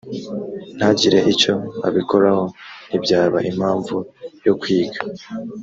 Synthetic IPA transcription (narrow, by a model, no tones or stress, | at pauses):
n̥haɟiɾe̞ʔico̞a̰βiko̞ɾaho̞n̥ibɟaːβaʔimaːɱvujokwiːɡa